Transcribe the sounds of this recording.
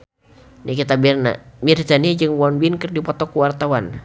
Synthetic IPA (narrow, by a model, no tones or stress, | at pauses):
nikit̪abirna̰mirtanid͡ʒɨŋwɔnbinkərdipɔt̪ɔkuwart̪awan